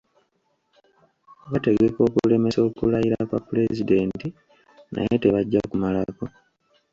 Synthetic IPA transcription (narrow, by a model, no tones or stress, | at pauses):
βate̞ɡe̞ko̞ːkule̞me̞so̞ːkulajiɾakwa̰pːule̞zide̞ːnti | na̰je̞te̞βaɟːakumalako̞